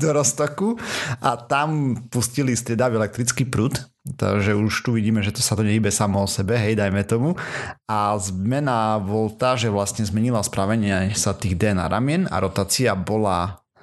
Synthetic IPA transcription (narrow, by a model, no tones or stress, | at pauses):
d̪ɔɾɔst̪ɔkuʔat̪ampuscilist̪ɾɪɛd̪aʋiɛlɛk̚t̪ɾit͡skipɾuːt̪ | t̪ːa̰ʒɛuʃt̪uʋiɟiːmɛʒɛt̪ɔsat̪ɔɲɛibɛsamɔɔsɛbɛɦɛjd̪ajmɛt̪ɔmuazmɛnabɔlt̪aːʒɛʋlasɲɛzmɛɲilaspɾaʋɛɲɪɛsat̪iːɣd̪ɛna̰ɾʔa̰mɪɛna̰ɾɔt̪aːt͡siabɔla